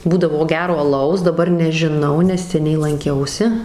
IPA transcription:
ˈbuːdɐʋoː ˈɡʲæːroː ɐˈlˠɐʊs dɐˈbɐr nʲɛʒʲɪˈnɐʊ nʲɛs sʲɛˈnʲɛɪ lˠɐŋʲˈkʲɛʊsʲɪ

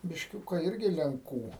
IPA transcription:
bʲɪʃʲˈkʲʊkɐ ˈɪrʲɡʲɪ lʲɛŋˈkuː

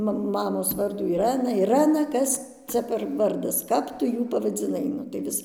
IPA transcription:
ˈmɐ ˈmɑːmoːs ˈʋɐrduː ɪˈrɜnɐ ɪˈrɜnɐ ˈkɐs ˈt͡sʲɛ pʲɛr ˈʋɐrdɐs ˈkɐp tʊ ˈjuː pɐʋɐd͡zʲɪˈnɐɪ ˈnʊ tɐɪ ˈʋʲɪs

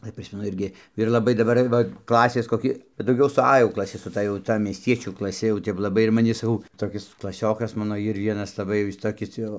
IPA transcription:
ˈɐɪ ˈpʲrʲɪsʲmʲɛnʊ ˈɪrʲɡʲɪ ɪr lˠɐˈbɐɪ dɐˈbɐr ˈʋɐ ˈklˠɑːsʲeːs koːˈkʲɪ bʲɛt dɐʊˈɡʲɛʊ sʊ ɐ jɛʊ klˠɐˈsʲɪ sʊ ˈtɐ jɛʊ ˈtɐ mʲiɛsʲˈtʲiɛt͡ʃʲuː klˠɐˈsʲɪ jɛʊ ˈtʲɛp lˠɐˈbɐɪ ɪr mɐˈnʲɪ sɐˈkɐʊ toːˈkʲɪs klˠɐˈsʲoːkɐs ˈmɑːnoː ˈɪr ˈʋʲiɛnɐs lˠɐˈbɐɪ ˈjɪs ˈtoːkʲɪs ˈjɛʊ

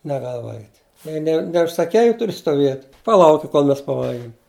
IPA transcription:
nʲɛˈɡɐlˠ ˈʋɐlʲɡʲɪtʲ ˈjɛɪ nʲɛ nʲɛʊʃsɐˈkʲɛɪ ɪ ˈtʊrʲɪ stoːˈʋʲiɛtʲ pɐˈlˠɐʊkʲɪ koːlˠ ˈmʲɛs pɐˈʋɐlʲɡʲɪm

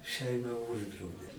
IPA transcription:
ˈʃʲɛɪmɐ ˈʊʒdrɐʊdʲeː

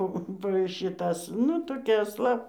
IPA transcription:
ˈpoː poː ʃʲɪˈtɐs ˈnʊ toːˈkʲɛ ɐsˈlˠɐ

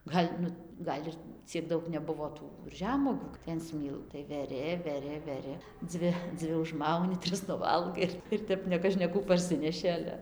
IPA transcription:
ˈɡɐlʲ nʊ ˈɡɐlʲ ɪr t͡sʲiɛk ˈdɐʊk nʲɛˈbʊʋoː ˈtuː ˈʒʲæːmuɔɡʲuː tɐɪ ɐn ˈsʲmʲiːlˠ tɐɪ ʋʲɛˈrʲɪ ʋʲɛˈrʲɪ ʋʲɛˈrʲɪ ˈd͡zʲʋʲɪ ˈd͡zʲʋʲɪ ʊʒˈmɐʊnʲɪ ˈtʲrʲɪs nʊˈʋɐlˠɡɐɪ ɪr ɪr ˈtʲɛp nʲɛkɐʃʲkʲɛˈkuː pɐrʲˈsʲɪnʲɛʃʲɪ ˈɑːlʲɛ

